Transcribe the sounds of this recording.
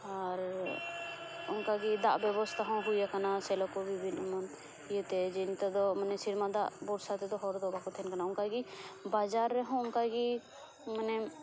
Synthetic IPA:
aɾ | ʊnkaɡid̪aʔbɛbɔst̪ʰaɦɔ̃ɦujakanasɛlɔkɔbibʱinmən | jɛt̪ɛd͡ʒɛnt̪ɛd̪ɔmənɛsiɾmad̪a̰ʔbɔɾsat̪ɛd̪ɔɦɔɾd̪ɔbakɔt̪ʰɛnkanaʊnkaɡibad͡ʒaɾːɛɦɔ̃ʊnkaɡi | mənɛ

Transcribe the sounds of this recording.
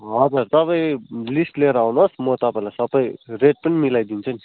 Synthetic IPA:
ɦʌd͡zuɾt̪ʌpaĩlisʈleɾaawnosmʌt̪ʌpaĩlajsʌbʌjreʈ̚pʌnimilajd̪int͡sʰʌni

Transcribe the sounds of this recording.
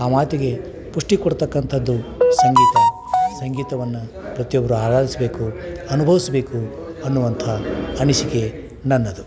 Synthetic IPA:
aːmaːt̪iɡe̞ | puʂʈikɔɽt̪ɐkːɐnt̪ʰɐd̪ːusɐŋɡiːt̪ɐ | sɐŋɡiːt̪ɐʋɐnːu | pɾɐt̪ijɔbːɐɾuaːɡaːlisɐbe̞ːkuɐnubʱɐʋisɐbe̞ːkuɐnːuʋɐnt̪ʰɐɐniʃike | nɐnːɐd̪u

